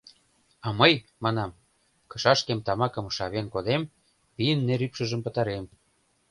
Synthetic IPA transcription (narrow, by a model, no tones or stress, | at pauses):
ɑməjmɑnɑm | kɤ̥̆ʃɑʃkemt̪ɑmɑkə̆mʃɑβenkod̪em | pijənːeɾypʃə̆ʒəmpə̆t̪ɑɾem